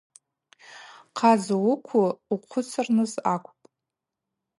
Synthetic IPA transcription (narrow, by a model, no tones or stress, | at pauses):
qʰazawʊkʷʰuuqʷʰʊt͡sʰɨrnɨzakʷʰʼpʼ